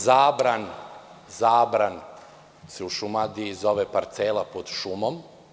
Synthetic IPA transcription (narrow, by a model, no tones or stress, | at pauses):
zaːbɾan | zaːbɾan | seuʃumad̪iizo̞ʋepaɾt̪selapod̪ʃumom